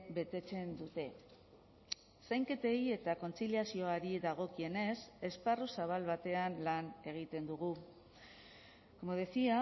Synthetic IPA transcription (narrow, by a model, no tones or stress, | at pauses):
be̞t̪e̞t͡se̞nd̪ut̪e̞ | sajŋke̞t̪e̞je̞t̪ako̞nt͡siliasio̞aɾiðaɣ̞o̞kie̞ne̞se̞sparusaβ̞alβat̪e̞anlane̞ɣ̞it̪e̞nd̪uɣ̞u | ko̞mo̞ð̞e̞sia